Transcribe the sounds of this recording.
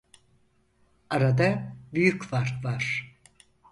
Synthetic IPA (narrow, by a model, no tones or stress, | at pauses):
aɾad̪abyjycfaɾt̪vaɾ̥